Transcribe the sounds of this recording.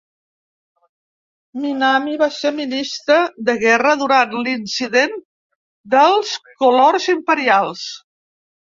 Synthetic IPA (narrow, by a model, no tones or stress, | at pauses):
minamiβaseminist̪ɾəðəɣɛrəðuɾanlinsiðen | d̪əlˠskulorzimpəɾialˠs